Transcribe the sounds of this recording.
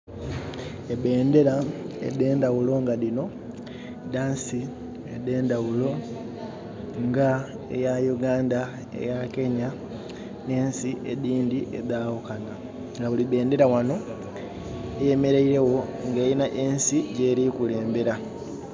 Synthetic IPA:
eβe̞ːnde̞ɾaḛðe̞ːndawulo̞ŋɡaðino̞ | daːnsi | eðe̞ːndawulo̞ | ŋɡa | ḛjajuɡaːnda | ḛjake̞ɲa | ne̞ːnsiʔeðiːndiʔeðaːwukana | ŋɡaβuliβe̞ːnde̞ɾawano̞ | ejemeɾeiɾe̞wo̞ŋɡeːjinaʔeːnsiɟe̞ːɾikule̞ːmbe̞ɾa

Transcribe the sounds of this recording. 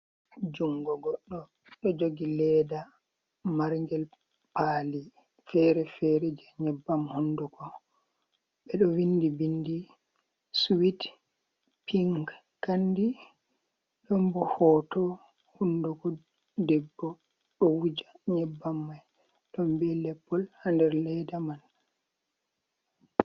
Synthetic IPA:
d͡ʒuŋɡɔɡɔɗːɔ | ɗɔd͡ʒoɡilɛda | maɾŋɡɛl | paːli | fɛɾɛfɛɾɛd͡ʒɛɲɛbːamhunduɡɔ | bɛɗɔwindibindi | suwit | pʰiŋɡ | kandi | ɗɔmbɔhɔtɔ | hundɔɡɔ | dɛbːɔ | ɗɔwud͡ʒaɲɛbːamːaj | ɗɔnbɛlɛpːɔlhandɛɾlɛdaman

